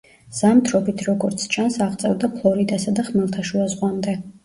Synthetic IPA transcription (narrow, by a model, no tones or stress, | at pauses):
z̥amt̪ʰɾɔbit̪ʰɾɔɡɔɾt̪sʰt͡ʃʰansaʁt̪sʼɛvd̪apʰlˠɔɾid̪asad̪aχmɛlˠt̪ʰaʃuazʁwamd̪ɛ